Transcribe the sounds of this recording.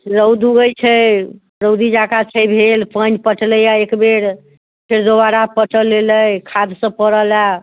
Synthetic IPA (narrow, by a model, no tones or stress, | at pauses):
ɾəwd̪uɡəjt͡ʃʰə | ɾəwd̪id͡ʒakat͡ʃʰəjbʱelpənpəʈləjaekbeɾ | pʰeɾd̪obaɾapəʈəlːeləjkʰad̪sə̃pəɾəla